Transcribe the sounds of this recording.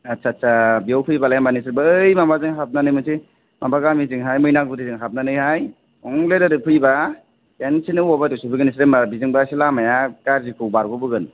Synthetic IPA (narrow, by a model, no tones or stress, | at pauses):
atsʰatsʰabijawpʰɯjbalajambanis̬ɯɾbɯjmamazɯŋɦap̚nanɯjmɯsi | mabaɡamizɯŋɦajmɯjnak̚budɯzɯŋɦap̚nanɯjhaj | ɔŋledɯɾɯpʰɯjba | kensʰinɯwɔbatusupʰbɯɡɯnisɾemabizɯŋbasilamajakaɾzikʰɯwbaɾɡubɯɡɯn